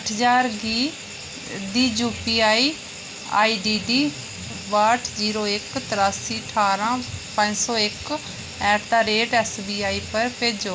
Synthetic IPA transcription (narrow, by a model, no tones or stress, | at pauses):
əʈʰɦəd͡ʒaːɾɡiː | d̪iːd͡ʒuːpiːaːiː | a̰ːiːɖiːɖiː | ʋaːʈʰziːɾoːɪkt̪ɪɾaːsiːəʈʰaːɾãːpə̃d͡ʒsɔːɪk | ɛːt̪aːɾeːʈɛːsbiːaːiːpəɾpeːd͡ʒoː